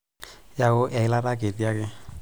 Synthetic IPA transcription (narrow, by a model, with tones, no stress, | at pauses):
ja˦ɣʊ˦ʔɛ˨ɪ˦la˦ɾa˦ɡe˨di˦a˦kɪ˦